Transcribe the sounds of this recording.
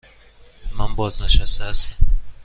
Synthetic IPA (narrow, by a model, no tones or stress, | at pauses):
mambɔazaʃasasi